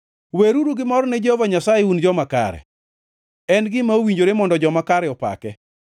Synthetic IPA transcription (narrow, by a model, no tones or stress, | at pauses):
weɾuɾuɡɪmɔɾnɛd͡ʒeovaɲasajeund͡ʒɔmaka̰ɾɛ̰ | ɛnɡɪmaowiɲd͡ʒoɾemɔndɔd͡ʒɔmakaɾɛɔpa̰kɛ